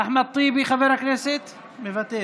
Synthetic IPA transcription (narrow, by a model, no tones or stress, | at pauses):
aħmat̪ˤːiːbixabeɾakneset̪ | mevat̪ːe